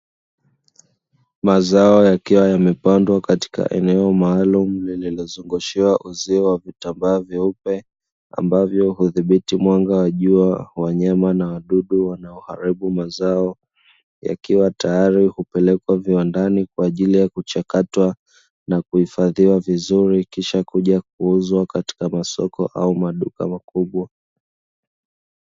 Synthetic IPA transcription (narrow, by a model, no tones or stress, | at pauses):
mazaɔjakiwajamɛpandwakati̥ka̰ʔɛ̰nɛɔmaːlum̩lililizuŋɡuʃiwaʔuziɔwavitambaːvjaupɛ | a̰mbavjɔhuðiɓitimwaŋɡawaʄuawaɲamanawaɗuɗuwanaɔha̰ɾiɓumazaɔ | ja̰kiwatajaɾihupɛlɛkwaviwandanikwaːʄilijakut͡ʃakatwa | nakuhifaðiwavizuɾikiʃakuʄak̚uuzwakati̥kamasɔkɔ̰ʔaumaɗuka̰makuɓwa